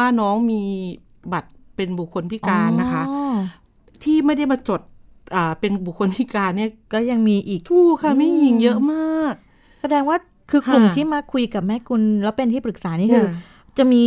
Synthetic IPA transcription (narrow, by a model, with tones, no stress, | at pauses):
aː˥˩nɔː˦˥ŋmiː˧ | ba˨˩t̪̚pe˧nbu˨˩kʰːo˧npʰi˦˥˩kaː˧nːa˦˥kʰa˦˥ʔ | t̪ʰiː˥˩ma˥˩jda˥˩jmaː˧t͡ɕo˨˩t̪̚ | ʔaː˨˩pe˧nbu˨˩k̚ʰːo˧npʰi˦˥˩kaː˧nːi˥˩ɐkɔː˥˩ja˧ŋmiː˧ʔiː˨˩kt̪ʰuː˧˥˩kʰa˥˩ma˥˩jji˧ŋjɤ˦˥ʔmaː˥˩k̚ | sa˧dɛː˧ŋwaː˥˩ | kʰɯː˧kʰlu˨˩m˩tʰiː˥˩maː˧kʰu˧jka˨˩p̚mɛ˦˥kʰu˧nlɛː˦˥wpe˧nt̪ʰiː˥˩pɾɯ˨˩k̚saː˩˦niː˦˥˩kʰɯː˧ | t͡ɕa˨˩miː˧